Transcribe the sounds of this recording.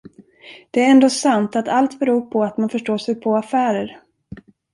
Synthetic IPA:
d̪̥ɛæɾɛnd̪oːsant̪at̪ʰalt̪bɛɾuːpʰɔat̪manfœʂʈoːʂɛjpʰɔafæːɾəɾ

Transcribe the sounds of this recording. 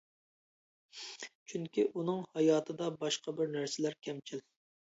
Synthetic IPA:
t͡ʃʰyŋkʲiʔunɨŋhɑjɑːt̪ʰɨd̪ɑbɑʃqɑbɪɾnæɾsɪlæɾkʲʰɛmt͡ʃʰil

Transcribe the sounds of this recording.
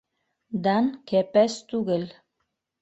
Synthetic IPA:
d̪ɑnkɛpæst̪uɣĕl

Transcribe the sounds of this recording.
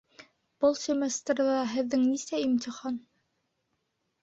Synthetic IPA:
b̥ɤlˠsʲemʲest̪rʲðɑɦɘ̆ðːɘŋnisæimt̪ʲiχɑn

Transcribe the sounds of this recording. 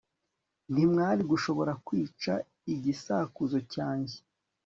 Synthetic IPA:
n̥himŋaːɾiɡuʃo̞βo̞ɾakwiːt͡ʃa | iɟisaːkuzo̞caːɲɟe̥

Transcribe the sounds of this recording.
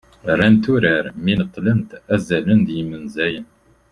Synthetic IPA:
rænt̪uɾəɾminət̪ˤːlənt̪æzælənd̪jimənzæjən

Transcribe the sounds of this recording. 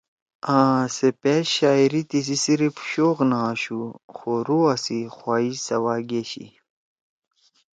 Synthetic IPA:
ãːsepeɕaːiɾit̪is̬isiɾipɕoːɣnaːɕuxoɾuasixwaːisɐwaːɡeːɕḭ

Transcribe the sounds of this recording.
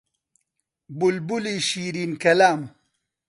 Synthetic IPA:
bulbuliɕiːɾinkɐlaːm

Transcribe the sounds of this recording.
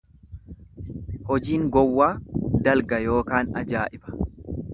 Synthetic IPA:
hɔd͡ʒiːŋɡɔwːaːd̪ɐlɡɐjo̞ːkaːnɐ̰d͡ʒaːʔɪbɐ̥

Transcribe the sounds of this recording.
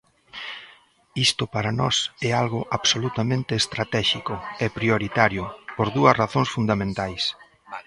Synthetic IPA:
ist̪ʊpaɾanɔsɛalɣʊʔaβsolut̪amẽnt̪eːst̪ɾat̪ɛʃikʊɛpɾioɾit̪aɾjʊpoɾðuɐsraθõŋsfund̪amẽnt̪ajs

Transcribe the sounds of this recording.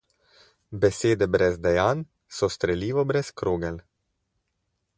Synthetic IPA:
bɛseːd̪ɛbɾɛzd̪ɛjaːn | sɔst̪ɾɛliːʋɔbɾɛskɾoːɡɛl

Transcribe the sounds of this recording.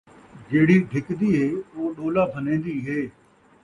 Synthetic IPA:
d͡ʒeːɽiːɖʱɪkd̪iːɦeːoːɗoːlaːpʰənẽːnd̪iːɦeː

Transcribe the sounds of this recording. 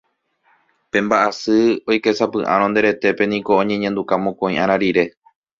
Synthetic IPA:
pẽ̞mbaʔasɨo̞jke̞sapɨʔã̰ɾ̃õnd̪e̞ɾe̞t̪e̞pe̞nĩko̞õɲẽ̞ɲẽnd̪ukamõkõĩʔãɾ̃aɾiɾe̞

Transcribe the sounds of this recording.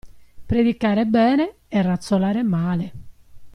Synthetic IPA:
pɾed̪ikaːɾebɛːne | ɛrːat̪solaːɾemaːle

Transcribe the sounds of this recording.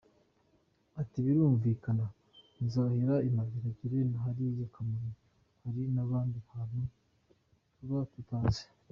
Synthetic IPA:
atiβiɾuːɱvikana | nizaheɾaimaɡeɾaɟiɾenaɦaɾijakamano | haɾinaβaːndihano | tuβatutaːze̥

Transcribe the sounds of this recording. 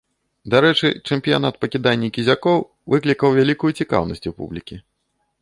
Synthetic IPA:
d̪aɾɛt͡ʂɨ̰t͡ʂɛmpʲija̰nat̪̚pɐkʲid̪anʲːikʲizʲakɔw | vɨklʲikɐwvʲalʲikujut͡sʲika̰wnɐ̰sʲt͡sʲupṵblʲikʲi

